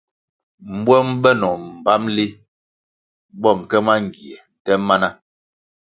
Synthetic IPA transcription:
m̩˨˦bwɔ˦mbɛ˦nɔ˨m̩˨ba˦mli˦ | bɔ˦˨ŋ˨kɛ˦ma˦ŋ˨ɡi˨ɛ˨tɛ˦ma˦na˦

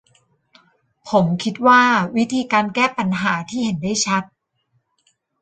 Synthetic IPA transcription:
pʰo˩˦mkʰi˦˥t̪̚waː˥˩wi˦˥t̪ʰiː˧kaː˧nkɛː˥˩pa˧nɦaː˩˦t̪ʰiː˥˩he˩˦ndaː˥˩jt͡ɕʰa˦˥t̪̚

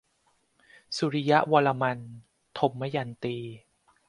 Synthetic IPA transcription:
su˧ɾi˦ja˦˥ʔwaː˧la˧ma˧n | t̪ʰo˧mːa˦˥ja˧nt̪iː˧

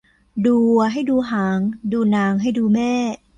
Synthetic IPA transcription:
duː˧ɦa˥˩jduː˧ɦaː˩˦ŋduː˧naː˧ŋɦa˥˩jduː˧mɛː˥˩

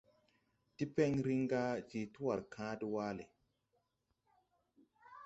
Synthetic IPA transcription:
ti˦pɛ˦ŋɾi˦ŋɡa˦d͡ʒi˨tu˦wa˨ɾkʰãː˦di˦waː˦le˨

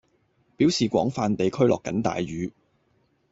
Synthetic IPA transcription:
piː˨˥wsiː˨kʷɔ̰ː˨˥ŋfaː˨˧nt̪e˨jkʰɵ˥ɥlɔː˨kːɐ̰˨˥nt̪a̰ː˨jɥyː˨˧

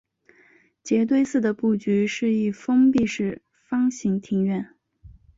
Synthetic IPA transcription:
t͡ɕjɛ˧˥t̪̬we˥˧ɪsɹ̩˥˩d̪ə˩pu˥˩t͡ɕy˧˥ʂɻ̩˥˧i˥˩fɤ˥ŋpi˥˧ʂɻ̩˥˩ | fɑ˥ŋɕi˧˥ŋt̪ʰi˧˥ŋɥɛ˥˩n

